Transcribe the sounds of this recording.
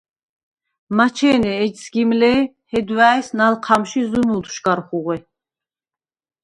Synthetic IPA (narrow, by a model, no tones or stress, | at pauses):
mat͡ʃʰɛːnɛːd͡ʒsɡimlɛ | hɛd̪vaːjsnalqʰamʃizunulʰʃɡaɾχuʁɛ